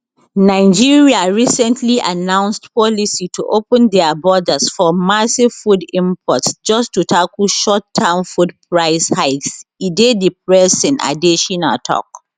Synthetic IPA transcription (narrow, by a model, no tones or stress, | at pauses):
naɪd͡ʒiɹiaɹisɛ̃ntʰliʔa̰nãʊ̃nstpɔlisitʰuʔopə̃ndɛabɔdəsfɔmasifudĩmpʰɔtsd͡ʒɔstːutʰakəlʃɔtʰːãnfudpʰɹaɪshaɪtsidedip̚ɹɛsɛ̃na̰diʃɔ̃natʰɔ̰k̚